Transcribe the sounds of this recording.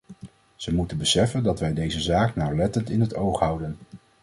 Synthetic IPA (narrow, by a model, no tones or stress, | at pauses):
z̥əmutənbəsɛfəndɑtʋɛjdejzəzaːknawlɛtəntɪnɦətowχɦʌwdən